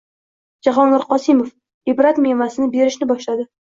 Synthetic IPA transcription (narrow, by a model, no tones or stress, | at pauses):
d͡ʒaɦɒnlaɾqɒsɪmof | ɪbɾat̪memasɪnɪbe̞ɾɪʃnɪbɒʃlad̪ɪ